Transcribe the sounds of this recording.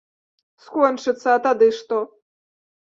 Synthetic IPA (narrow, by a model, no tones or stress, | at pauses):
skɔnt͡ʂɨt̪sɐːt̪ad̪ɨʂt̪ɔ